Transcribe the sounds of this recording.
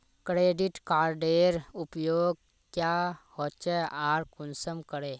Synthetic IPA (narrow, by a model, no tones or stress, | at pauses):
kɾeːɖɪʈkaːɾɖeːɾʊpjoːɡ̚ | kjaːhoːtt͡ʃɛaːɾkʊnsəmkəɾeː